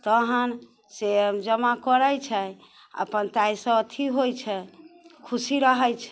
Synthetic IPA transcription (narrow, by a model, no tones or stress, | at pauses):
t̪əɦən | sed͡ʒəmakəɾəjt͡ʃʰɛ | ə̰pənt̪ajsə̃ət̪ʰiɦojt͡ʃʰɛkʰusiɾəɦəjt͡ʃʰɛ